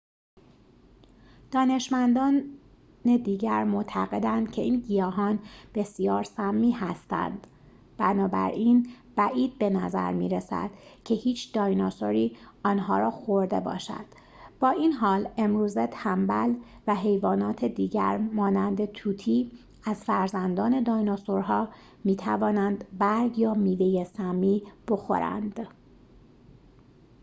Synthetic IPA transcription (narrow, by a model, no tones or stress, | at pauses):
d̪̥ɒːne̞ʃmænd̪ɒːn | ned̪iːɟæɾmoʔt̪ʰæɣe̞d̪ænd̪̥kcʰe̞ʔiːnɟijɒːɦɒːnb̥e̞sijɒːɾsæmːiːhæst̪æ̰nd̪̥ | b̥ænɒːbæ̰ɾʔin | b̥æʔiːd̪̥̚be̞næzæ̰ɾmḭːɾesæ̰d̪̥cʰe̞hiːt͡ʃʰd̪̥ɒːjnɒsoɾiːɒːnɦɒːɾɒːxoɾd̪e̞̰bɒ̰ːʃæ̰d̪̥ | b̥ɒːʔiːnɦɒːle̞mɾuːzet̪ʰæmbælvæɦe̞jvɒːnɒːt̪ʰed̪iːɟæ̰ɾmɒːnænd̪e̞t̪ʰuːt̪ʰiː | æzfæɾzænd̪ɒːne̞d̪ɒːjnosoɾɦɒː | miːt̪ʰævɒːnænd̪bæɾɡjɒːmiːve̞jesæmiːb̥o̞xo̞̰ɾæ̰nd̪̥